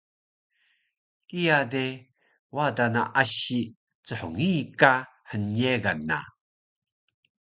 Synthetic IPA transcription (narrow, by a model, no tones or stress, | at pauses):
kijade | wadanaʔaɕi | t͡səħoŋikahəneɡanːa̰